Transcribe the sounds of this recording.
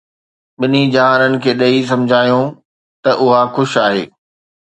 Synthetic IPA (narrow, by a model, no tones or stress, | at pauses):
ɓɪnid͡ʑaːɦɾənɪ̆kʰeːɗɐis̬ɐ̃md͡ʑʱaːjõ | t̪ɐʔʊɦaxʊʃaːɦḛː